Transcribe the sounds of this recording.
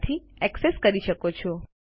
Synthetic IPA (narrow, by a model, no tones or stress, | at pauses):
t̪ʰiɛkseskəɾiʃəkot͡ʃʰɔ